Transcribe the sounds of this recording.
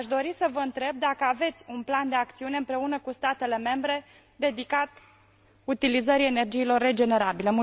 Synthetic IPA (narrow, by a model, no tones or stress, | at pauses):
ʃd̪o̞ɾisəvəɨnt̪ɾe̞b̚d̪akəave̞t̪sʲunpland̪e̞ak̚t̪siune̞ɨmpɾe̞unəkust̪at̪e̞le̞me̞mbɾe̞ | d̪e̞d̪ikat̪ | ut̪ilizəɾiene̞rd͡ʒiːlo̞rːe̞d͡ʒe̞ne̞ɾabile̞mu